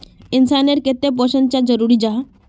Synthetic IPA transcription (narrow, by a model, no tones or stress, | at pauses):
insaneɾket̪ːep̬ɔɕənt͡ɕad͡ʑəɾuɾid͡ʑaɦ